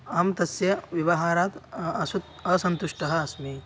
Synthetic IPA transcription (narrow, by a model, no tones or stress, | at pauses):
ɐmt̪ɐsjɐʋiʋɐɦaːɾaːt̪ɐsut̪ | ɐsɐnt̪uʃʈɐɦɐːsmeː